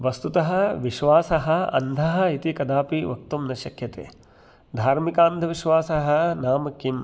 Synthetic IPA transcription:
ʋɐst̪ut̪ɐɦɐ̆ʋiʃʋaːsɐɦɐ̆ɐ̰nd̪ʱɐɦɐ̆it̪ikɐd̪aːpiʋɐk̚t̪umnɐʃɐkʰjɐt̪ḛː | d̪ʱaːɾmikaːnd̪ʱɐʋiʃʋaːsɐɦɐ̆naːmɐkːim

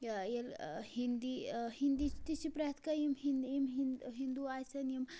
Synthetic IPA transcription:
jelhind̪ihind̪it̪isipɾat̪ʰkajimɦinimɦinɦind̪uajsɐnjim

